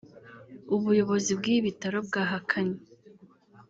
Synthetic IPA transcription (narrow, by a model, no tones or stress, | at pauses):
uβujo̞βo̞zibɡiːβitaɾo̞bɡaːɦakʰaɲi